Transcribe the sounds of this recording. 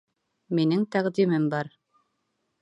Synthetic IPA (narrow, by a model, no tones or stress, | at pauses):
minɘŋt̪æʁd̪imɘmbɑɾ